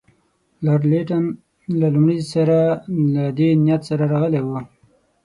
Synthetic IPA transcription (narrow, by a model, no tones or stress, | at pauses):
laɾleʈan | lalʊmɽisaɾalad̪enijat̪saɾaɾaɣəlewu